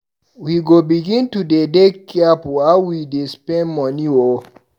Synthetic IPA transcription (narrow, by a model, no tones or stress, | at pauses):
wiɡobiɡĩntudedekːiapuawidespɛ̃nmɔnio